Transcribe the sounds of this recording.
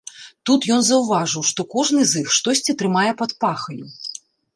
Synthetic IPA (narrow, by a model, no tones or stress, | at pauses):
t̪ut̪jɔnzɐwvaʐɨwʂt̪ɔkɔʐn̪ɨzixʂt̪ɔsʲt͡sʲit̪ɾɨmajɛpɐt̪paxɐju